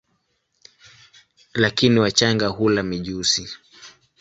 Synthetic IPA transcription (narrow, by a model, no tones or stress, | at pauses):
lakiniwat͡ʃaŋɡahulamiʄusi